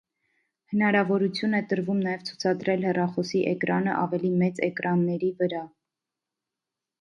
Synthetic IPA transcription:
hənɑɾɑvɔɾut͡sʰjunɛt̪əɾvumnɑjɛvt͡sʰu̥t͡sʰɑd̪ɾɛlhɛrɑχɔsiʔɛkɾɑnə̰ʔɑvɛlimɛt͡sɛkɾɑnːɛɾivəɾɑ

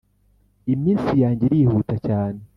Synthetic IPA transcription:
imisijaːɲɟiɾihutat͡ʃaːni

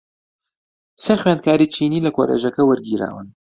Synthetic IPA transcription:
seχweːnd̪̚kʰaːɾit͡ʃʰiːniːlɐkoɾḛːʒɐkɐwɐɾɡiːɾa̰ːwɨ̰n

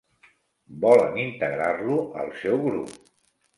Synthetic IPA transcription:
bɔlə̰nint̪əɣɾarluə̰lˠsɛwɣɾṵp̚

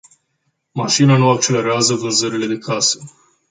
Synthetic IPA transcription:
maʃinanuak̚t͡ʃe̞le̞ɾeazəvɨrzəɾile̞d̪e̞kʰasə̥

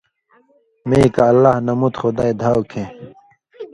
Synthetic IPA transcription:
meikaːlːahnɐmut̪xod̪aːed̪ʱaːwkʰẽ

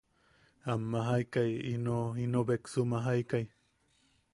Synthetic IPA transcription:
amːaɦajkajḭnoinobeksumaɦaikaj

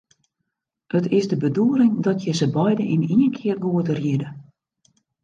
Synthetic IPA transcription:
hətɪsdəbəduəɾɪŋdɔtjəzəbɔjdəiniənkʰɪərɡoətərjidə

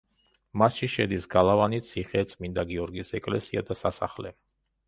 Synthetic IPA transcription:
masʃiʃɛd̪isɡalˠavanit̪sʰiχɛt̪sʼmind̪aɡiɔɾɡisɛkʼlɛsiad̪asasa̰χlɛ

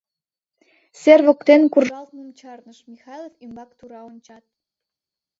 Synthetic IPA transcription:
serβokt̪enkurʒɑlt̪nomt͡ɕɑrnəʃmʲixɑjlˠofymbɑkt̪uɾɑonʲt͡ɕɑt̪̚

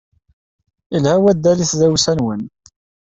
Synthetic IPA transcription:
ilhæwæd̪ːæliθzæwsænwən

